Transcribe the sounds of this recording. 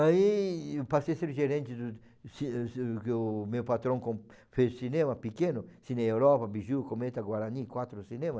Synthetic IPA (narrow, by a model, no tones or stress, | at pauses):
aipaseseɾʒeɾẽnt͡ʃ̪ɪd̪u | sikʊmewpat̪ɾõŋkõ | fesinẽmɐpikẽnʊsineewɾɔpɐbiʒukomet̪aɡwaɾanikwat̪ɾʊsinẽmɐ